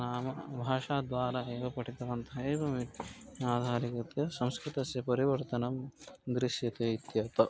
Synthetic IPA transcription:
naːmɐbʱaːʂaːd̪ʋaːɾaːeːʋɐpɐʈʰit̪ɐʋɐnt̪ʰɐeːʋɐmiaːd̪ʱaːɾikɐt̪jɐsɐ̃mskɾit̪ɐsjɐpɐɾiʋɐɾt̪ɐnɐmɡ̪ɾɪʃjɐt̪eːit̪jɐt̪ɐ

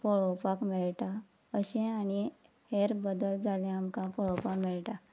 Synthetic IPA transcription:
pɔɭopakmiɭʈ̪a | əɕɛ̃añi | heɾbəd̪əld͡zʱalẽamkãpɔɭɔwpakmiɭʈ̪a

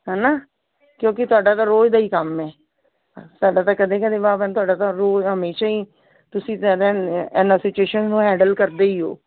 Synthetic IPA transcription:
ɦɛːnaː | kjõːkɪt̪ʊaːɖaːt̪aːɾoːd͡ʒd̪aːiːkəmɛː | saːɖaːt̪aːkəd̪ẽːkəd̪eːbaːpɛːnt̪ʊaːɖaːt̪aːɾoːɦəmeːʃaːiː | t̪ʊsĩːt̪aːd̪eːɛːnaːsɪt͡ʃueːʃənznũːɦɛ̃ːɳɖəlkəɾd̪eːiːɦo̰ː

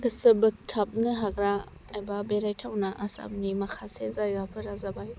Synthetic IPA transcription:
ɡɯsɯbɯk̚tʰːap̚nɯɦaɡɾa | ajbabeɾajtʰawnaʔasa̰p̚nimɐkʰasezajɡapʰɯɾazabaj

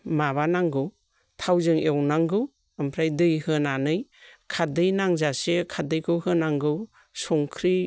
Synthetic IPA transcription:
maβanaŋɡɯ | tʰawzɯŋewnaŋɡɯw | ampʰɾajdɯjhɯnanɯjkʰadɯjnaŋzasekʰadɯjkʰɯhɯnaŋɡɯw | sɔŋkʰɾi

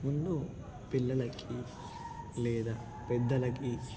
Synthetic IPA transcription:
mund̪u | pilːɐlɐkʼːi | lɛːd̪a | pɛd̪ːɐlɐkʼːi

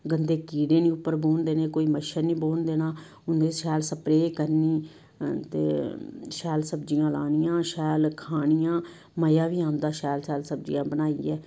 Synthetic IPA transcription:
ɡənd̪eːkiːɽẽːnĩːʊpːəɾboːnd̪eːnẽːkoːiːməʃənĩːboːnd̪eːnaː | ʊnd̪eʃɛːlsəpɾeːkəɾniː | t̪ḛːʃɛːlsəbd͡ʒɪjãːla̰ːnɪjãːʃɛːlkʰaːɳɪjãː | məjãːʋiːaːmd̪aːʃɛːlsɛːlsəb̚d͡ʒɪ̰jãːbənaːiːɛː

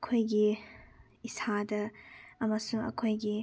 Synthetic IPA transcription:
kʰojɡi | isʰadɐɐmɐsuŋɐ̰kʰojɡi

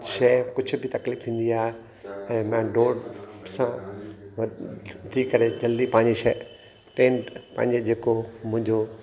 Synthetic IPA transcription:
ʃɐːkʊd͡ʑʱʊ̆bɪt̪ɐkliːft̪ʰĩːnd̪iaːɦe | ɛ̃ːmãɖoːɖsã | t̪ʰikɐɾed͡ʑɐld̪ipɐ̃ɦɪ̃ɲd͡ʑeʃɐ | keːnpɐ̰̃ɦɪ̃ɲd͡ʑed͡ʑeːkomʊ̃ɦɪ̃ɲd͡ʑo

